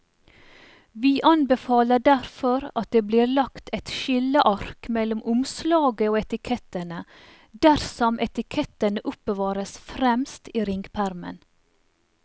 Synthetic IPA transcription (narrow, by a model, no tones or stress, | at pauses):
ʋiːʔɑnbəfɑːləɖæɾfɔɾɑt̪̚d̪eːbliːɾlɑkt̪ʰɛt̪ʃɪləʔɑɾkmɛlʊmʔʊmslɑːɡəoːɛt̪ɪkʰɛt̪ənə | d̪æɾsɔmʔɛt̪ɪkʰɛt̪ənəʔʊpəʋɑːɾəsfɾɛmst̪iːɾɪŋɡpʰæɾmə̰n